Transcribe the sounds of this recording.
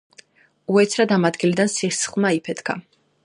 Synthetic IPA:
uɛt̪sʰɾad̪amad̪ɡilid̪ansiχsχlˠmaipʰɛt̪kʰa̰

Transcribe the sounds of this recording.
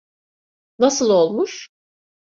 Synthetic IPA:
nasɯlˠo̞lˠmuʃ

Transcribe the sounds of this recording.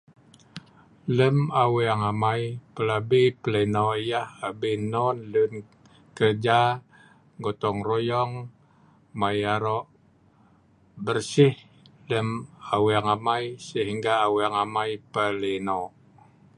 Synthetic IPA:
ləmaweaŋamajpəlabipələnɔʔijahabinɔnlun | kərd͡ʒa | ŋɡot̪ɔŋrojɔŋ | majaɾɔʔ | bərsɪh | ləmawiaŋamajsəɦiŋɡaːweaŋamajpəlinɔʔ

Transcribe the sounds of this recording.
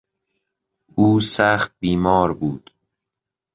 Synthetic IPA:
uːsæːxt̪̚biːmɒːɾbuːd̪̥

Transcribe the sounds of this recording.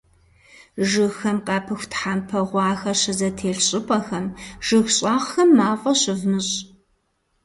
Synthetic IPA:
ʒɨxɐmqʼɑːpʰɨxʷtħaːmpʰɐʁʷɑːxɐɕɪzɐtʰeːɮɕʼɪpʼɐxɐmʒ̥ɨxɕʼaːʁxɐmːaːfʼɐɕɪvmɨɕʼ

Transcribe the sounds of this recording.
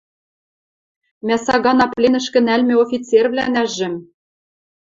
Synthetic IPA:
mʲæsɑɣɑnɑplʲenɘ̆ʃkɘ̆nælmĕofʲit͡servlʲænæʒɘ̆m

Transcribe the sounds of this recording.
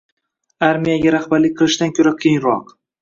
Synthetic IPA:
aɾmijaɡʲaɾaχbaɾlɪk̚ʲqʰɨlˠɪʃt̪ankʲʰɵɾakʲʰejŋɾɒq

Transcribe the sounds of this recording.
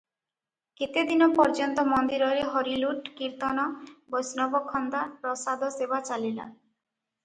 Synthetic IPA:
ket̪ed̪inɔpɔɾd͡ʒɔnt̪ɔmɔnd̪iɾɔeɾeɦɔɾiluʈkiɾt̪ɔnɔbɔjsnɔbɔkʰɔnd̪apɾɔsad̪ʱɔsebat͡ʃalila̰

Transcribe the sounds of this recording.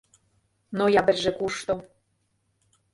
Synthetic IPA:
nojɑbɘ̆rʒĕkuʃt̪o

